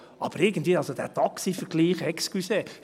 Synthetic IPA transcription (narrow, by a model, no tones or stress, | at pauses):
ʔɑb̥əɾɪɡən̩tviːɑlsod̥æːtɑksifəɡ̥liːχɛkskyseː